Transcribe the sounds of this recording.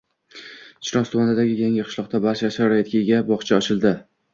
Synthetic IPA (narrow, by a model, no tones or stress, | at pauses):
t͡ʃɾɒst̪ʰumanɪd̪aɡʲɪjaŋʲɪqʰɨ̥ʃlˠɒq̚t̪abaɾʃaʃaɾɾajat̪kʲʰaɡʲabɒχt͡ʃʰaɒt͡ʃʰɪlˠd̪ɪ